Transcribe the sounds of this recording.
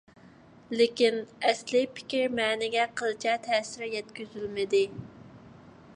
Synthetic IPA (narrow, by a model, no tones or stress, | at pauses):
lɪkʲinɛslɪpʰɪ̥kʲiɾmɛːnɪɡʲɛqʰəlˠɨt͡ʃʰɛt̪ʰɛːsɪɾɛjɛt̪kʲyzylmɪd̪ɪ